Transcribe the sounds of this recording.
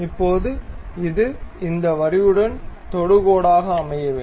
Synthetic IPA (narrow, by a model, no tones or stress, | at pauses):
ɪpːoːðɯɪðɯɪnd̪ɐʋɐɾɪjɯɽɐnt̪ɔɽɯɣoːɽaːɣɐːmɐjɐʋeː